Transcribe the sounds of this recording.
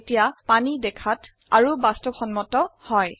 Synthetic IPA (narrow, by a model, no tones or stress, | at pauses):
tijapanidɛkʰat | a̰ɹubastɔxɔnmɔtɔhɔj